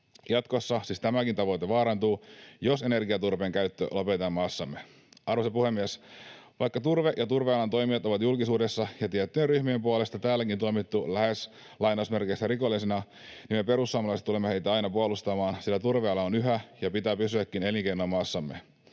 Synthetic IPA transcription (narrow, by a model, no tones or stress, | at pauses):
jɑt̪ko̞sːɑsist̪æmækint̪ɑʋo̞t̪eʋɑːɾɑnt̪uːjose̞ne̞rɡiɑt̪urʋeːŋkæyt̪ːø̰lopet̪ɑmmɑːsːɑmːe | ɑrʋosepuhe̞mːiesʋɑjkːɑt̪urʋeʔjɑt̪urʋeɑlɑnt̪o̞jmiɑt̪o̞ʋɑt̪julkisuːdesːɑjɑt̪iɛt̪ːyeryçmiempuɑle̞st̪ɑt̪æːlːækint̪ojmit̪ːulæhes | lɑjnɑsme̞rkesːæɾiko̞lːisenɑ | nime̞pe̞ɾusːuɑmɑlɑst̪ulemːehe̞jt̪æɑjnɑpuolust̪ɑmɑːnsilːæt̪urʋeɑlɑonyɦæjɑpit̪æːpysyækːine̞liŋkejnoɑmɑːsːɑmːe̞̰